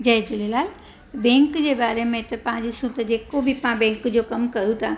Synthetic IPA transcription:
d͡ʑɐjd͡ʒ̪ulelaːl | bẽːŋkd͡ʑebaːɾemẽt̪ɐpɐãd͡ʑisũt̪əd͡ʑeːkobʱipãbẽːŋkd͡ʑokɐmkɐɾũt̪ʰãː

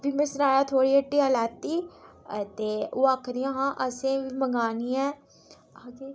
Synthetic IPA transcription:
bimẽːsʊnaːjaːt̪ʰoːɽiːəʈːiːəlɛːt̪ːiːt̪eːoːaːkʰɾijãːɦãːʔəsẽːʋiːməɡaːniːɛ̃ː

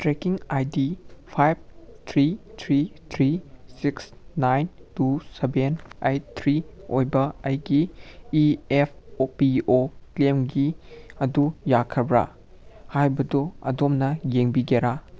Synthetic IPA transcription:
tɾekiŋajdipʰajb̚tʰɾitʰɾitʰɾisiksnajntusebenejtʰɾiojbɐɐjɡiiepʰopioklemɡiɐdujakʰɐbɾa̰ | hajbɐdoɐ̰domnɐjeŋbiɡeɾa

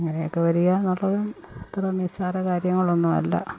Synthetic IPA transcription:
ɐŋːɐnejokːeʋɐɾujaːnːuɭːɐʋem | et̪ːrɐnisaːɾɐkaːɾjɐŋːɐɭo̞nːumɐ̰lːɐ̰

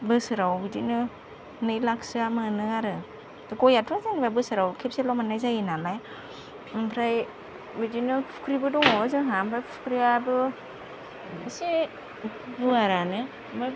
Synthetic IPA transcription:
bɯsɯɾawbidinɯ | nɯjlaksɯamɯnɯaɾɯ | kɔjatʰazanibajbɯsɯɾawkʰep̚selɔmanajzajinalaj | pʰɾaj | bidinɯpʰu̥kʰɾibɯdɔŋɔzɯɦambajppʰu̥kʰɾiabɯ | ɯse | buaɾane | ma

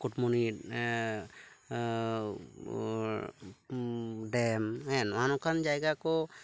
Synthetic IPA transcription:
kutmoni | ɖɛmhɛnanɔkʰand͡ʒajɡakɔ

